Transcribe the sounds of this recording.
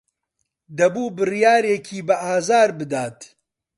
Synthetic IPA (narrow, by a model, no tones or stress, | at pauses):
d̪ɐbuːbɨrijaːɾeːkʰiːbɐʔaːzaːɾbɨd̪aːt̪